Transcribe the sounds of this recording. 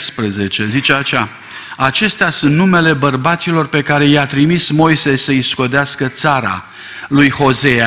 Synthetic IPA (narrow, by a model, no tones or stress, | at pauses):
spɾeze̞t͡ʃe̞zit͡ʃe̞aʃa | at͡ʃe̞st̪easunt̪nume̞le̞bərbat̪silo̞rpe̞kaɾe̞jat̪ɾimismo̞jse̞səisko̞d̪easkət̪saɾa̰ | lujho̞ze̞a